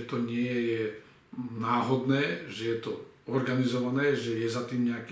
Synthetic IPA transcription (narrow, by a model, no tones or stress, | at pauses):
ɛt̪ɔɲɪɛjɛjɛ | naːɦɔd̪nɛːʒɛjɛt̪ɔ | ɔɾɡanizɔʋanɛːʒɛjɛzat̪iːmɲɛakː